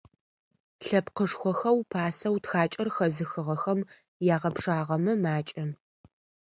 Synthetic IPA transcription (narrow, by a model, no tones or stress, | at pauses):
ɬɐpqəʂxʷɔxɐwpʰaːsɐwtxaːt͡ʃʼɐrxɐzɨxɨʁɐxɐm | jaːʁɐpʂaːʁɐmɐmaːt͡ʃʼɐ